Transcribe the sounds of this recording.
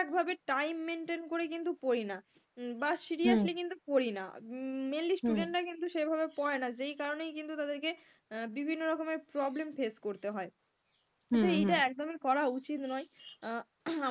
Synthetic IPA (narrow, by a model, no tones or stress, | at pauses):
ɛk̚bʱabeʈajmːenʈenkoɾekint̪upoɾina | baʃiɾiaʃlekint̪upoɾina̰mellisʈuɖeɳʈɾakint̪uʃejbʱabepɔenad͡ʑejkaɾonejkint̪ut̪ad̪eɾke | bibʱinːoɾɔkomeɾpɾɔblemfeskoɾt̪eɦɔe | kt̪oejʈaɛk̚d̪omikɔɾaut͡ɕit̪nɔe | a